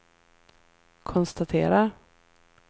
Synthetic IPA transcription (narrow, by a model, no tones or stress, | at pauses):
kʰɔnst̪at̪ʰeːɾa